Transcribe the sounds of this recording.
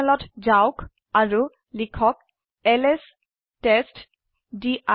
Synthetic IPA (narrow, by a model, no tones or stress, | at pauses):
lɔtzawk | aɹu | likʰɔk̚ | ɛlɛs | tɛst | diʔa